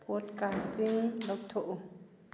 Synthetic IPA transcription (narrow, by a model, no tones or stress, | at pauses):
pɔdkastiŋlɔk̚t̪ʰoʔu